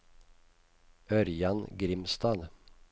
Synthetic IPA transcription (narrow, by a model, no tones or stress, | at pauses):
ʔœɾjanɡɾɪmst̪aːl